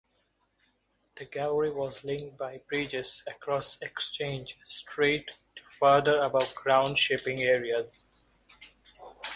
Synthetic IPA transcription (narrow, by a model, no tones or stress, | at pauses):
d̪̥əɡæləɾiʋɔːzlɪ̃ŋkʈ̚baɪbɾiːd͡ʒɪzəkɾɔːsekst͡ʃẽːnd͡ʒsʈʰɾeːʈʈːu̥fəɾd̪əɾəbaʊʈ̚ɡɾãʊ̃ɳɖʃɪpɪ̃ŋeːɾiəz